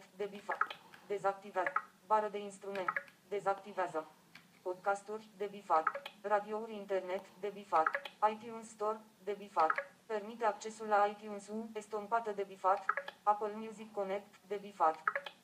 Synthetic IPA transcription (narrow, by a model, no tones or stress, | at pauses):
t̪d̪ebifad̪e̞zak̚t̪ivea | baɾəd̪e̞inst̪ɾume̞nt̪d̪e̞zakt̪iveazə | po̞d̪kast̪urʲd̪e̞bifat̪rad̪iouɾʲint̪e̞rne̞t̪d̪e̞bifat̪ajt̪junst̪o̞r | d̪e̞bifat̪pe̞rmit̪eakt͡ʃe̞sulːaːjt̪junsuŋest̪ompat̪əd̪e̞bifat̪apəlmjuzikːo̞ne̞kt̪d̪e̞bifat̪